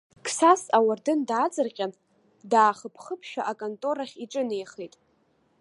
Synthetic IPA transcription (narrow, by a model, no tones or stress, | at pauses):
kʰsasawardɨndaːt͡sʼɨrqʲʼan | daːχəpʰχəpʰʃᶣa̰ʔakʼontʼo̞ɾaχʲiʈ͡ʂʼɨnejχejtʼ